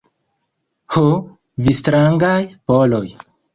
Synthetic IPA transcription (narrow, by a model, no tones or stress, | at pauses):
ho | vistɾaŋɡajpoloj